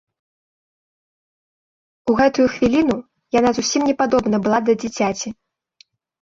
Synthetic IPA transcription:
uɣɛt̪ujuxvʲilʲin̪u | janazusʲimnʲɛpad̪ɔbn̪ɐbɨlˠad̪ɐd͡zʲit͡sʲat͡sʲi

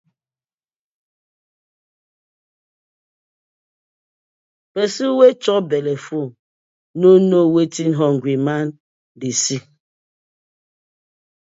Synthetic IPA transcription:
pɛsiwet͡ʃɔbɛlɛfu | nonowetinɦɔŋɡwiman | disi

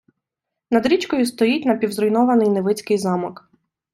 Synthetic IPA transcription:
nɐd̪ɾʲit͡ʃkɔjʊst̪ɔjitʲnɐpʲiwzɾɔjnɔʋɐnɪjneʋɪt͡sʲkɪjzɑmɔk

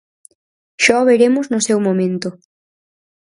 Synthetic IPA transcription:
ʃɔβeɾemʊznʊsewmõmẽnt̪ʊ

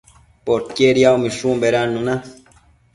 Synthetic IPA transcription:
poɾkjeɾjawmĩʃũmbeɾanũnã

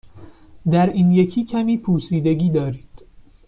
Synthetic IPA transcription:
d̪æɾiːnjecʰiːcʰæmiːpʰuːsiːd̪eɡiːd̪ɒːɾiːd̪̥

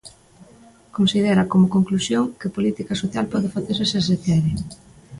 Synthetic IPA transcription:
konsiðeɾakomokoŋklusjoŋkɪpolit̪ikasoθjalpɔðɪfaθeɾseses̬eθɛɾɪ

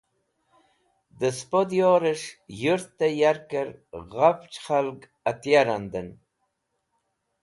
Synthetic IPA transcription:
d̪əspod̪joːɾəʂjuɾt̪ːajaɾkəɾɣaft͡ʃχalɡ | at̪jaɾand̪ən

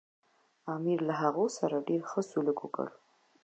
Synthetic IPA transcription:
ɑmiɾlaɦaɣosaɾaɖeɾxəsuləkwokə̰l

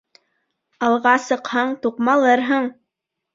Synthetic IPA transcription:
ɑlˠʁɑsɤ̆qhɑɴt̪uqmɑlˠɤɾɦɤɴ

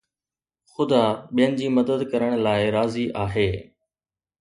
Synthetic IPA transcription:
xʊd̪aɓijənɪ̆d͡ʑiːmɐd̪əd̪kɐɾəɽ̃laːɪɾaːziʔaːɦeː

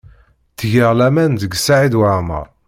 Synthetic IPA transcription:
θʝiʁlæmænðəɡsaʕid̪wamə̰ɾˤ

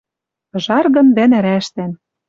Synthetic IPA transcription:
ʒɑrɣɤ̆nd̪ænɘ̆ɾæʃt̪æn

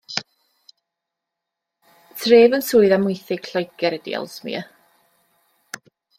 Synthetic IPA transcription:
tʰreːvənsuːɨðamʊjθɪɡ̥ʰɬɔjkɛɾɛdḭɔ̰lˠsmḭə

